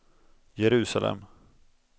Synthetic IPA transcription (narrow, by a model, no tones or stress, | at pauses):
jɛɾʉ̟ːsalɛ̰m